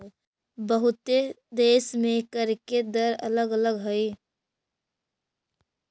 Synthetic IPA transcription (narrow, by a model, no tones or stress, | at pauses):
bəɦʊt̪e | d̪eːsmẽkəɾked̪əɾə̰ləɡələɡɦəi